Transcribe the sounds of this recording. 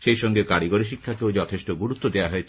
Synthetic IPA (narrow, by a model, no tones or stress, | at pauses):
ʃejʃɔŋɡekaɾiɡoɾiʃ̬ikʰːakeod͡ʑɔt̪ʰeʃʈoɡuɾut̪ːod̪eaɦoet͡ɕʰ